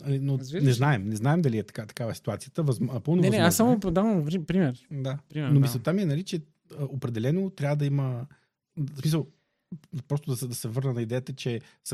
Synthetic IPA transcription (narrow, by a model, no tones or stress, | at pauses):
ɐlinonɛznaɛmnɛznaɛmd̪ɐliɛt̪ɐ̥kat̪ɐ̥kavəsi̥t̪uat̪sijət̪əvɐzmnɐpəlˠnovɛasːamod̪avəmɾipɾimɛɾd̪ainomisɛt̪amiɛnɐlit͡ʃɛ | əopɾɛd̪ɛlɛnot̪ɾʲavəd̪ɐimə | smis̬əlˠ | pɾɔst̪ʊd̪ɐsɛd̪ɐsɛvɤɾnənɐid̪ɛjət̪ət͡ʃɛ | sɐ